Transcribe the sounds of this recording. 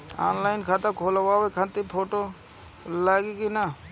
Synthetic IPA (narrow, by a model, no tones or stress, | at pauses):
a̰ːnlaːjnkʰaːt̪akʰoːlawaːwokʰãnt̪ipʰoːʈo | laːɡikina